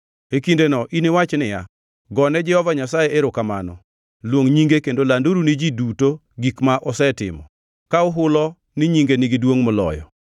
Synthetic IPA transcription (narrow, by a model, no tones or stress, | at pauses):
ekindenɔʔinɪwat͡ʃnɪja̰ | ɡɔnɛd͡ʒɛhɔvaɲasajeeɾʊkama̰nɔ | lwoŋɲiŋɡekendolanduɾunid͡ʒiduto | ɡikmaʔɔsɛtɪ̰mɔ | kaʊɦʊlɔ | nɪɲiŋɡenɪɡidwoŋmɔlɔ̰jɔ̰